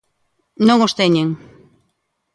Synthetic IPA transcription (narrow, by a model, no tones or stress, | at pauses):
nõŋost̪eɲeŋ